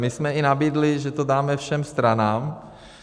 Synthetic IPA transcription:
mɪsmɛɪnabiːdlɪʒɛt̪odaːmɛfʃɛmst̪ɾanaːm

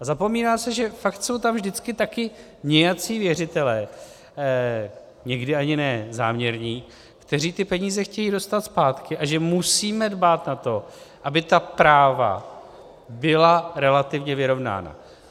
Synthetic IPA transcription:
ʔazapo̞miːnaːsɛʒɛfakt̪so̞wt̪amvʒdɪt͡skɪt̪akɪ | mɲɛjat͡siːvjɛrɪt̪ɛlɛː | ɲɛɡdɪaɲɪnɛːza̰ːmɲɛɾɲiː | kt̪ɛriːt̪ɪpɛɲiːzɛxcɛjiːdo̞st̪at̪spaːt̪kɪʔaʒɛmusiːmɛdbaːt̪nat̪o̞ʔabɪt̪apɾaːva̰ | bɪlaɾɛlat̪ɪvɲɛvɪɾo̞vna̰ːna̰

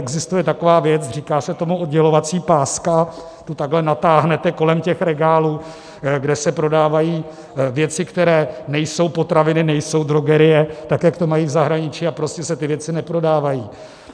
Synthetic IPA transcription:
ɛɡzɪst̪ujɛt̪ako̞vaːvjɛt͡sriːkaːsɛt̪o̞muod̪ɟɛlo̞vat͡siːpaːska | t̪ut̪aɡlɛnat̪aːɦnɛt̪ɛko̞lɛmcɛxɾɛɡaːluː | ɡdɛsɛpɾo̞daːvajiː | vjɛt͡sɪkt̪ɛɾɛːnɛjso̞wpo̞t̪ɾavɪnɪnɛjso̞wd̪ɾoɡɛɾɪjɛt̪akjakt̪omajiːvzaɦɾaɲɪt͡ʃiːapɾo̞scɛsɛt̪ɪvjɛt͡sɪnɛpɾo̞daːvajiː

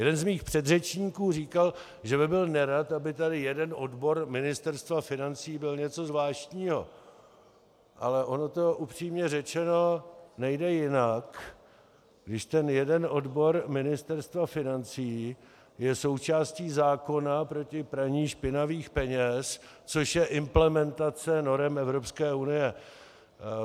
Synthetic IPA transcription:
jɛdɛnzmiːxpr̝̥ɛd̪rɛt͡ʃɲiːkuːriːkal | ʒɛbɪbɪlnɛɾat̪abɪt̪adɪjɛdɛnʔodbo̞ɾmɪnɪst̪ɛɾst̪vafɪnant͡siːbɪlɲɛt͡so̞zvlaːʃt̪ɲiːɦo̞̰ | ʔa̰lɛʔo̞no̞t̪o̞ʔupr̝̥iːmɲɛrɛt͡ʃɛnonɛjdɛjɪnak | ɡdɪʃt̪ɛnjɛdɛnʔo̞dbo̞ɾmɪnɪst̪ɛɾst̪vafɪnant͡siː | jɛso̞wt͡ʃaːsciːzaːko̞napɾo̞cɪpɾaɲiːʃpɪnaviːxpɛɲɛs | t͡so̞ʃjɛʔɪmplɛmɛnt̪at͡sɛno̞ɾɛmɛvɾo̞pskɛːʔunɪjɛ

